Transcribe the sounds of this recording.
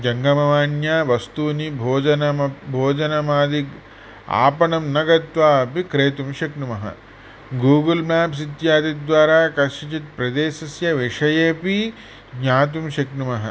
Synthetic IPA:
d͡ʒɐŋɡɐmɐʋaːnjaːʋɐst̪uːnibʱoːd͡ʒɐnɐmɐbʱoːd͡ʒɐnɐmaːd̪i | a̰ːpɐnɐmnɐɡɐt̪ʋaːɐpikɾeːt̪umʃɐknumɐɦɐ̰ | ɡuːɡɐlmaːps̬it̪jaːd̪id̪ʋaːɾaːkɐʃɐt͡ʃit̪̚pɾɐd̪eːsɐsjɐʋiʂɐjeːpi | ɡɲaːt̪̬umʃɐknumɐɦɐ̰

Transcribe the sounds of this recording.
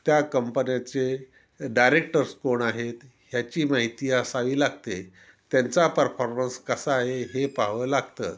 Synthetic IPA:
t̪jakəmpənjat͡se | ɖajɾek̚ʈəɾskoɳaɦet̪ | ɦjat͡ɕiːmaɦit̪iːasaʋiːlaɡt̪e | t̪jant͡sapəɾfɔɾmənskəsaːɦeɦepaɦʋəːlaɡt̪ə̰ː

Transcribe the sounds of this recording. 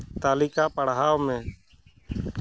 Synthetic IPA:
t̪aːlɪkapəɽɦaːwmɛ̃ː

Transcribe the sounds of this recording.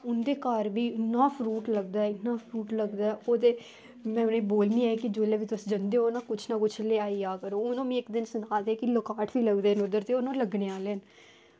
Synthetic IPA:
ʊnd̪eːkaːɾbiːɪnːãːpʰɾuːʈləɡd̪aːɛɪnːãːpʰɾuːʈləɡd̪aːɛːoːt̪eː | mɛ̃ːʊnẽːboːlniːɛkɪd͡ʒoːleːʋiːt̪əsd͡ʒənd̪eːoːnãːkʊt͡ʃʰnaːkʊt͡ʃʰleːaːiːaːkəɾoːʊnõːmĩːɪkd̪ɪnsənaːt̪eːkɪləkaːʈʰʋiːləɡd̪eːnʊd̪əɾt̪eːʊnõːləɡneːaːleːən

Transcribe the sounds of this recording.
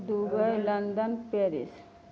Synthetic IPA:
d̪ubəjlɐnd̪ənpeɾḭs

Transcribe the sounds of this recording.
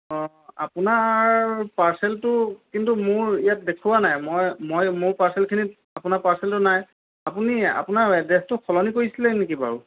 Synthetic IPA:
ɔ | apunaɹpaɹsɛltʊkintumʊɹijat̚dekʰuwanajmojmojmʊɹpaɹsɛlkʰinit̚ | apʊnapaɹsɛltʊnaj | apunia̰pʊnaɛdɛstʊkʰɔlɔnikoɹisilɛnekiba̰ɹu

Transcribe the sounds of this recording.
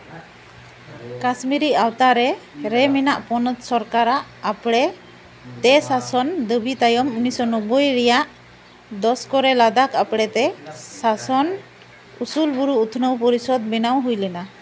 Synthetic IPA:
kasmiɾiʔawt̪aɾɛɾɛminaʔpɔnət̪sɔɾkaɾaʔːpɽɛ | t̪ɛsasɔnd̪əbʱit̪ajɔmunisɔnɔbəjɾɛjaʔ | d̪ɔskɔɾɛlad̪akapɽɛt̪ɛsasɔn | usulbuɾuut̪ʰnəwpɔɾisɔd̪bɛnawɦujlɛna

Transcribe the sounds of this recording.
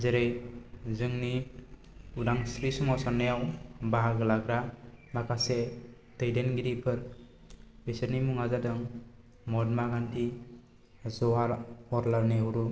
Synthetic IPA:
zeɾɯjzɯŋni | udaŋsɾisɔmasanːɯjawbaɦaɡɯlaɡɾamakʰase | tɯjdenɡiɾipʰɯɾ | besəɾnimuŋazadɯŋ | mɔdmaɡantʰi | zɔwaɾɔɾlaɾniɦuɾu

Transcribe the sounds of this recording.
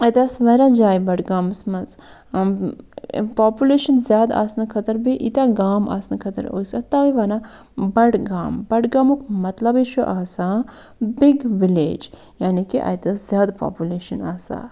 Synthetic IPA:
ɐjt̪ɐsʋɐːɾad͡ʒaːjbɐɽɡaːmsmɐz | paːpjuleːʃɐnzʲjaːd̪a̰ːsnɨkʰɐt̪ɐɾbiʔit̪aɡaːma̰ːsnɨkʰɐt̪ɐɾo̰ːjsɐt̪aːʋiʋaːna | bɐɽɡaːmbɐɽɡaːmukmɐt̪lɐbit͡ʃʰuʔaːsaː | biɡʋilḛːd͡ʒ | jaːnikiʔɐ̰jt̪ɐszjaːd̪pa̰ːpʲjuleːʃɐna̰ːsa̰ː

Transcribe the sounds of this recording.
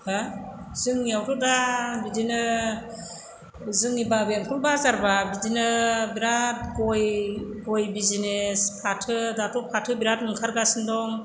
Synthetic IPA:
hazɯŋijawtʰɔdabidinɯ | zɯŋibabemkʰulbazaɾbabidinɯbiɾat̚ɡɔjɡɔjbizinespʰatʰɯdatɔpʰatʰɯbiɾat̚mɯŋkʰaɾɡasɯndɔŋ

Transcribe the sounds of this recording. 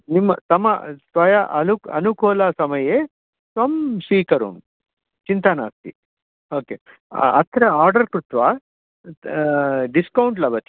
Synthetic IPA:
nimːɐt̪ɐmɐ̰sʋɐjɐʔɐluɐnukɔːlɐsɐmɐje | sʋɐmʃiːkɐɾṵn | t͡ʃint̪ana̰ːst̪i | oːke | ɐ̰t̪ʰɾɐaːɾɖɐɾkɾut̪ʋaː | ɖiskɐwuɳʈlɐbɐt̪i̥

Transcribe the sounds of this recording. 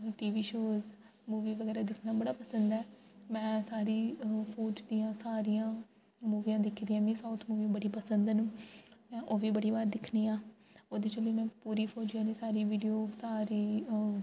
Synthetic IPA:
ʈiːʋiːʃoːz | muːʋiːʋəɡɛːɾaːd̪ɪkʰnaːbəɽaːpəsənd̪ɛːmɛ̃ːsaːɾiːpʰoːd͡ʒd̪ijãːsaːɾijãː | muːʋijãːd̪ɪkʰd̪iːãːmĩːsaːʊt̪ʰmuːʋiːãːbəɽiːpəsənd̪nːmɛ̃ːʔoːʋiːbəɽiːbaːɾd̪ɪkʰniːãː | oːd̪eːt͡ʃəbiːmɛ̃ːpuːɾiːpʰoːd͡ʒijãːnĩːsaːɾiːʋiːɖijoːsaːɾiː

